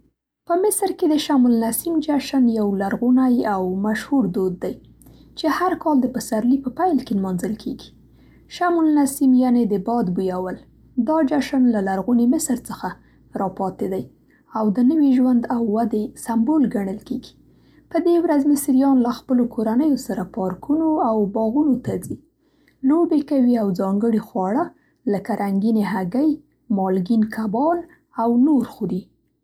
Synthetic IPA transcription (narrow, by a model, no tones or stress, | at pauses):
pəmɪsɾked̪əʃamulnasimd͡ʒaʃənjawlaɾɣunajawmaʃhuɾd̪od̪̚ːaj | t͡ʃehaɾkɑld̪əpəsaɾlipəpajlkelmɑnzəlkʰeɡi̥ | ʃamulnasimjaned̪əbɑd̪bujawəl | d̪ɑd͡ʒaʃanlalaɾɣunimɪsɾt͡səxa | ɾɑpɑt̪ed̪aj | awd̪ənəwiʒwand̪awːad̪esambolɡaɳəlkeɡi̥ | pəd̪ewɾazmɪsɾijɑnlaxpəlokʰoɾanəjosaɾapɑɾkunoawbɑɣunot̪ad͡zi | lobekawiawzɑŋɡəɽixwɑɽa | lakaɾʔaŋɡineɦaɡəj | mɑlɡinkʰabɑl | awnoɾxod̪i